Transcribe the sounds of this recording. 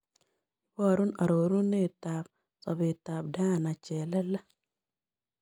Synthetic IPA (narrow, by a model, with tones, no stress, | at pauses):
wɔ˦˨ɾu˦na˨ɾo˨ɾu˦nːe˦˨ta˨p̚ | sɔ˨be˨ta˨b̚da˦˨na˨t͡ʃɛ˨lɛ˦la˦